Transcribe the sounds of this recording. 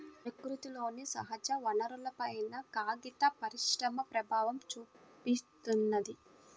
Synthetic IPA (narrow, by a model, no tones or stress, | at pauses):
pɾɐkɾut̪ilo̞ːnisɐ̰ɦɐd͡ʒɐʋɐnɐɾulɐpɐjnɐkaːɡit̪ɐpɐɾiʃɾɐmɐpɾɐbʱaːʋɐmt͡ʃuːpist̪unːɐd̪i